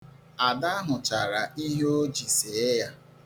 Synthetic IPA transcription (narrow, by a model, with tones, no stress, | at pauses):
a˨da˦a˦ɦʊ˨t͡ʃa˨ɾa˨i˦ɦe˦o˦d͡ʒi˨se˨˦ja˦